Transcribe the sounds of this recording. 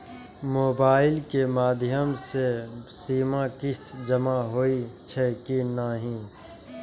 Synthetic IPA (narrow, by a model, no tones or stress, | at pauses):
moːbaːɪlkemaːd̪ʱjəmsesiːmãkɪst̪ʰd͡ʒəmaɦoit͡ʃʰɛkinaɦĩː